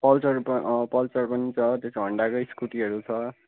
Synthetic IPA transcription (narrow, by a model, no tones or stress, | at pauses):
pʌlt͡sʌrppʌlt͡sʌrpʌnit͡sʰʌt̪esɡʱʌɳɖakojskuʈiʌɾut͡sʰʌ